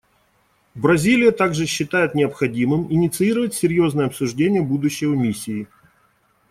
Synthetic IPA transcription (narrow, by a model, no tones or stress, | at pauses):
bɾɐzʲilʲɪjət̪aɡʐɨɕːɪt̪ajɪt̪nʲɪɐpxɐdʲimɨmɪnʲɪt̪sɨiɾəvətʲsʲɪɾʲjo̞znəjəɐpsʊʐdʲenʲɪjəbud̪ʊɕːɪvəmʲisʲːɪː